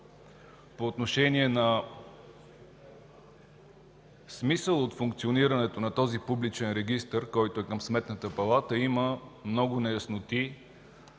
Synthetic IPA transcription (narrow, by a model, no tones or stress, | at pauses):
poːt̪noʃɛniɛnɐ | smisəlˠot̪fʊŋkt̪sioniɾɐnɛt̪onɐt̪ɔzipublit͡ʃɛnɾɛɡist̪əɾkɔjt̪ʊɛkəmsmɛt̪nət̪əpɐlˠat̪əiməmnɔɡʊnɛjɐsnot̪i